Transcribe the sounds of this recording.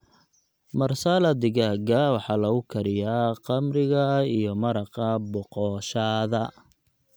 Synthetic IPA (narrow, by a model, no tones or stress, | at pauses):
mɐrsalɐd̪ɪɣaːɡɐwɑħɑːlɐɣʊkʰɐɾɪjaːqɑmrɪɣɐijɔmɐɾɑqɐbɔqɔːʃaːðɐ